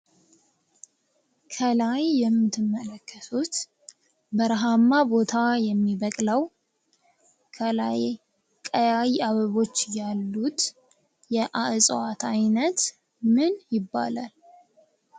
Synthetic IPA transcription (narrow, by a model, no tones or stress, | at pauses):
kʰəlajːɛmːɨt̪ʰːɨmːələkːət̪ʰut̪ | bəɾaɦamːabo̞t̪ʰajɛmːiβəkʼləw | kʰəla̰j | kʼəjajaβəβo̞t͡ʃːjalːut̪ | jɛʔaʔɨsʼat̪ajnət̪ | mɨnjɪbːa̰lal